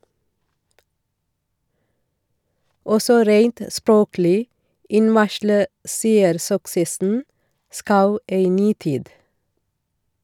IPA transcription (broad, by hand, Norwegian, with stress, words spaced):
ˈɔsɔ ˈɾeɪnt ə ˈspɹoːklɪ ˈɪnʋɑʃlə ˈseːəɾsʏksəsn̩ ˈskɑʉ ˈeɪ ˈnyː ˈtiːd